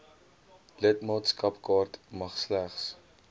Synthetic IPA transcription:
lətmɑːtskɐpkɑːrtmɐχslæχs

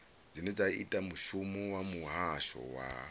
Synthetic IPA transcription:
d͡zined͡zaḭtʼamuʃumuwamuɦaʃɔ̰wa̰

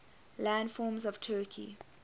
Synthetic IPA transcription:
lãndfɔːmzɔv̥tʰɜːˑkʰḭ

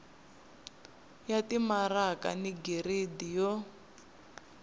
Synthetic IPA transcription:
jatimaraka̰niɡeɾedijɔ

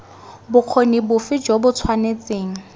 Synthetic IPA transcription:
bʊq͡χʰonibʊfɪd͡ʒobʊt͡sʰwanet͡sʼeːŋ̩

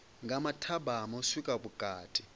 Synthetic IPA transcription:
ŋɡʱamatʰabʱamɔsikʼaɓuɡ̥ʱʼaːtʼi

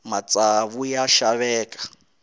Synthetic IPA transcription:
mat͡sʼaβujaʃaβɛːkʼḁ

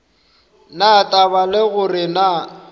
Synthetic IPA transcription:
natʼabalɪɣʊrɪna

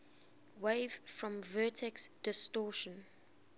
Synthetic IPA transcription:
weɪv̥fɹɔ̃mvɜːˑtʰɛksd̥ɪstɔːʃə̃n

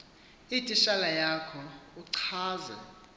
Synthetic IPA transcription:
itʼiʃalajakʰɔuǀʰaːza̰

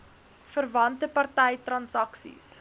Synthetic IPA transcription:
fərvɐntəpɐrtɛjtrɐnsɐksḭs

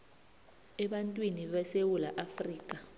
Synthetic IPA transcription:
ɛɓantʼwiniɓasewulaʔafriːk̬ʼa

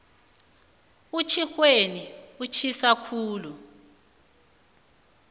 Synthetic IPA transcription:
ut͡ʃʰixweniut͡ʃʰisakʰuːlu

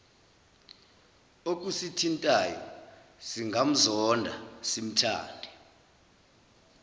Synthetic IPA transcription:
ok̬ʼusitʰintʼajɔ̰siŋɡʱam̩zɔndʱa̰sim̩tʰa̰ːndʱɛ

